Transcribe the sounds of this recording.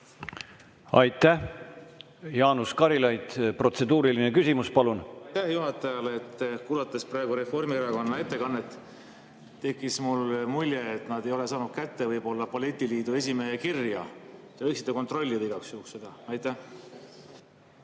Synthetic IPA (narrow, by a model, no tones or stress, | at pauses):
ɑjt̪ːæh | jɑːnuskɑɾilɑjd̪̥pro̞t̪se̞d̪uːɾilinekysʲimuspɑlunt̪ːæhjuɦɑt̪ːˑɑjɑleet̪ːkuːlɑt̪ːˑɑsprɑeɡuɾe̞fo̞rmieɾɑko̞nːɑe̞t̪ːˑe̞kɑnːet̪ː | e̞kːˑismulmulʲjeːt̪nɑd̪̥e̞jo̞le̞sɑːnud̥̪̚kæt̪ːevɤjbo̞lːɑpolet̪ʲːˑiliːd̪̥ue̞sʲimeekirjɑ̰t̪eɤjksi̥t̪ːˑeko̞nt̪ro̞lʲːid̪iɡɑksjuhukse̞d̪̥ɑɑjt̪ːˑæh